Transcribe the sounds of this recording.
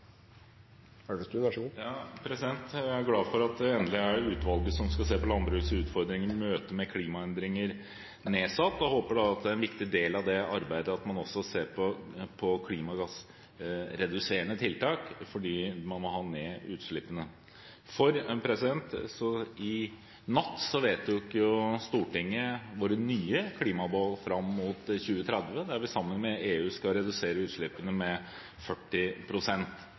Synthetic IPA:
æɖɛst̪ʉʋæʂɡuːjɑːpʰɾɛsɪd̪ɛnt̪æɾɡlɑːfɔɾɑt̪ɛnəlɪæɖɛʉːt̪ʋɑlɡəsɔmskɑseːpɔlɑnd̪ɾəʉːsʉːt̪fɔɾd̪ɾɪŋəɾmøːt̪əmɛkʰliːmɑɛnd̪ɾɪŋəɾ | neːsɑt̪ːɔhoːpəɖɛɑt̪̚d̪ɛæɾɛnʋɪkt̪ɪd̪eːlɑʋd̪ɛɑɾbæɪd̪əɑt̪mɑnɔsːɔseːɾpʰɔpʰɔkʰliːmɑɡɑs | ɾɛd̪ʉseːəɳət̪ʰɪlt̪ʰɑːkfɔɖiːmɑnmɔhɑːneːʉːt̪ʂɭɪpːənə | fɔɾpʰɾɛsɪd̪ɛnt̪sɔɪ | nɑt̪ːsɔʋeːt̪d̪ɪkjʊst̪uːʈɪŋːəʋʊɾnyːəkʰliːmɑboːlfɾɑmːmuːt̪çʉːət̪ʰɾɛd̪ʋəd̪æɾʋɪsɑmːənmɛeːʉːskɑɾɛd̪ʉseːɾəʉːt̪ʂɭɪpːənəmɛ | fœʈːɪpʰɾʊsɛnt̪

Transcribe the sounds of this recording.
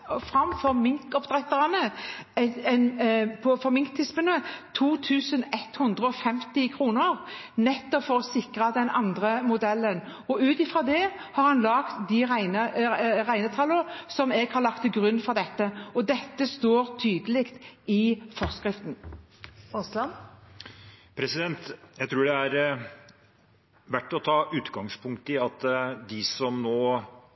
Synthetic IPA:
fɾɑmfɔʁmɪŋkɔpd̪ʁɛt̪ːəʁɑnəɛnpʰɔfɔmɪŋkt̪ʰːɪspənət̪ʰuːt̪ʰʉːsənɛt̪hʉnd̪ʁəɔfɛmt̪ɪkʰɾuːnəɾnɛt̪ːɔpfɔɾɔsɪkɾɑd̪ɛnɑ̰nd̪ʁəmʊd̪ɛlːən | ɔʉːt̪ɪfʁɑd̪ɛ | hɑɾhɑnlɑɡt̪d̪ɪɾæɪnəʁæɪnət̪ʰɑləsɔmɛːɡ̥hɑɾlɑkt̪ːɪɡʁʉnːfɔʁd̪ɛt̪ːəɔd̪ɛt̪ːəst̪oːɾt̪ʰyːd̪əlɪkt̪ɪfɔʁskʁɪft̪n̩ | ɔslɑn | pʰɾɛsɪd̪ɛnt̪jæɪt̪ʰɾuːɖɛæɾ | ʋæʈːɔt̪ʰɑːʔʉːt̪ɡɑŋspʰʊŋk̚t̪əɪɑt̪d̪ɪsɔmnoː

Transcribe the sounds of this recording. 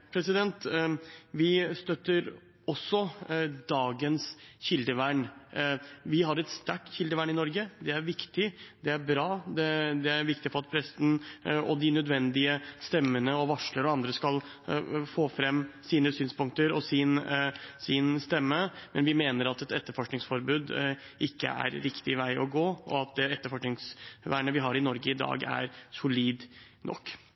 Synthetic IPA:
pʰɾɛsɪd̪ɛnt̪ | ʋɪst̪œt̪ːəɾ | ɔsːɔd̪ɑːɡənsçɪld̪əʋæɳ | ʋɪɦɑɾɛt̪st̪æʈːçɪld̪əʋæɳɪnɔɾɡəd̪ɛæɾʋɪkt̪ɪd̪ɛæɾbɾɑːd̪ɛd̪ɛæɾʋɪkt̪ɪfɔɾɑt̪̚pʰɾɛst̪n̩ɔ̰d̪ɪnœd̪ʋɛnd̪ɪəst̪ɛmːənəɔʋɑʂləɾɔɑnd̪ɾəskɑl | foːfɾɛmːsiːnəsyːnspʊŋkt̪əɾɔsɪnsɪnst̪ɛmːəmɛnʋɪmeːnəɾɑt̪ɛt̪ɛt̪ːəɾfɔʂknɪŋsfɔɾbʉːd̪ | ʔɪkːə̰æ̰ɾɾɪkt̪ɪʋæɪʔɔ̰ɡoːʔɔɑt̪̚d̪ɛɛt̪ːəɾfɔʂknɪŋsʋæ̰ːɳəʋɪɦɑɾɪnɔɾɡəɪd̪ɑ̰ːɡæ̰ɾsʊliːd̪ | nɔ̰kː

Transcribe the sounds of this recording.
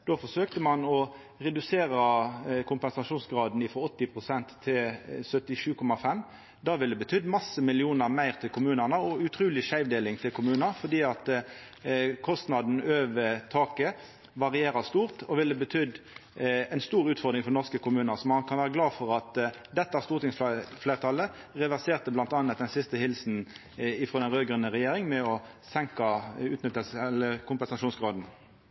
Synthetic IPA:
d̪oːfɔʂøːkt̪əmɑnɔ | ʁɛd̪ʉseːɾəkʰʊmpɛnsɑʂuːnsɡɾɑːd̪n̩ɪfɾɔɔt̪ːɪpʰʁʊsɛnt̪ʰːɪlsœt̪ːɪʂʉːkʰɔmɑfɛm | d̪ɑːʋɪld̪ɛbət̪ʰʏd̪mɑsːəmɪlɪuːnəʁmæɪʁt̪ʰɪlkʰʊmʉːnəʁnəɔʉt̪ʰɾuːlɪʃæɪʋd̪eːlɪŋt̪ʰɪlkʰʊmʉːnəɾfɔd̪iːɑt̪ | kʰɔst̪nɑd̪n̩øːʋət̪ʰɑːkə | ʋɑʁɪeːʁɑst̪uːʁt̪ɔʋɪlːəbət̪ʰʏd̪ | ɛɪnst̪uːɾʉːt̪fɔʁd̪ʁɪŋfɔɾnɔʁskəkʰʊmʉːnəʁsɔmɑkʰɑnʋæːʁəɡlɑːfɔʁɑt̪d̪ɛt̪ːəæst̪uːʁt̪ɪŋsfleːʁt̪ʰɑlːə | ʁɛʋæʁseːʁt̪əblɑnt̪ɑːnət̪̚d̪ɛnsɪst̪əhɪlsn̩ | ɪfʁoːd̪ɛnʁøːɡɾʉnːəʁɛjeːɾɪŋmɛɔ | sɛŋkɑʉːt̪nʏt̪əlsləkʰʊmpɛnsɑʃuːnsɡʁɑːd̪n̩

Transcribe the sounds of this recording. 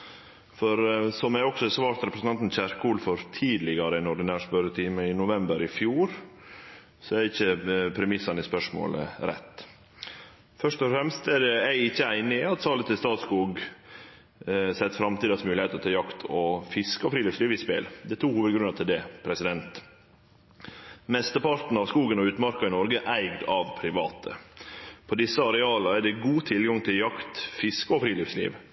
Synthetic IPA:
fɔɾsɔmæɪɔksɔɛsʋɑːɾt̪ɾɛpɾəsn̩ɑnt̪n̩çæɾkuːlfɔɾt̪ʰiːd̪lɪɡɑɾəæɪnɔɖɪnæːʂpœɾət̪ʰiːməɪnʊʋɛmbəɾɪfjuːɾ | sɔɛɾɪçːəpʰɾɛmɪsːɑnɪspœʂmo̰ːlə̰ɾɛ̰t̪ː | fœʂt̪ɔfɾɛmst̪ɛɖɛæɪɪçːəæɪnɪɑt̪sɑːlət̪ʰɪlst̪ɑːt̪skuːɡ | sɛt̪ːfɾɑmt̪iːd̪ɑsmʉːlɪhɛɪt̪əɔt̪ʰɑːjɑkt̪ʰɔfɪskəɔfɾiːlɪfsliːʋɪspḛːld̪ɛt̪ʰuːkhuːʋəd̪ɡɾʉnɑt̪ʰɪld̪ɛpʰɾɛsɪd̪ɛnt̪ | mɛst̪əpɑɾt̪n̩ɑʋskuːɡənɔʉːt̪mɑɾkɑɪnɔɾɡəʔæɪɡd̪ɑʋpʰɾɪʋɑ̰ːt̪ʰə̰pʰɔd̪ɪsːəɑɾɛɑːlɑæɖɛɡuːt̪ʰɪlɡɑŋt̪ʰɪljɑkt̪fɪskəɔfɾiːlɪfslḭːʋ

